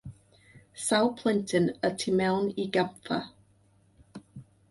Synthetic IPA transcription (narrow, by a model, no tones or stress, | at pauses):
saʊpʰl̥ɪ̃ntʰə̃nətʰɪmɛʊniɡãmθə̰